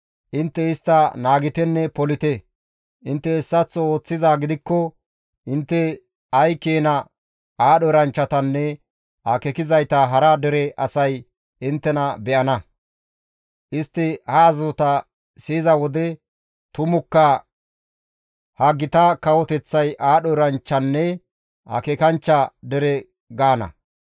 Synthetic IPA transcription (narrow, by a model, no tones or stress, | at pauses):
ʔɪnt̪ːɛɪst̪ːɐnaːɡɪt̪ɛnːɛpɔlɪt̪ɛ | ʔɪnt̪ːɛːsːɐt͡sːɔo̞ːt͡sːɪzaːɡɪd̪ɪkːɔ | ʔɪnt̪ːɛ | ɐjkeːnɐ | ʔaːɗɔɾɐnt͡ʃːɐt̪ɐnːɛ | ʔakɛkɪzɐjt̪ɐɦɐɾɐd̪ɛɾɛʔɐ̰sɐj | ɪnt̪ːɛnɐbɛʔɐnɐ | ʔɪst̪ːɪhɐːzɔt̪ɐ | siːzɐwɔd̪ɛ | t̪ʊmʊkːɐ | hɐɡːɪt̪ɐkɐwɔt̪ɛt͡sːɐjʔaːɗɔɾɐnt͡ʃːɐnːɛ | hɐ̰kɛkɐnt͡ʃːɐd̪ɛɾɛ | ɡaːnɐ̰